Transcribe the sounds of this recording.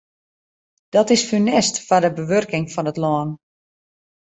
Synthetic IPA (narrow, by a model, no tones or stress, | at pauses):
d̥ɔtɪsfynɛstfadəbəʋørkɪŋfɔnətlɔːn